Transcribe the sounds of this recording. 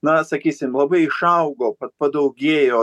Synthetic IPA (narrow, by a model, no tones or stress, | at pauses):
nɐsɐkʲiːsʲɪmlˠɐbɐɪɪʃɐʊɡoːpɐt̪̚pɐd̪ɐʊɡʲeːjoː